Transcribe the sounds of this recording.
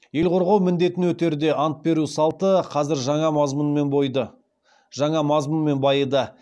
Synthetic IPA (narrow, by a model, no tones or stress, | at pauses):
je̞lqʰo̞ɾʁɑwmɪnd̪e̞t̪ɪnwɵt̪e̞ɾd̪e̞ʔɑnt̪̚be̞ɾusɑlˠt̪əqʰɑzɪɾʒɑɴɑmɑzmənmenbojd̪ə | ʒɑɴɑmɑzmənme̞nbɑjəd̪ɑ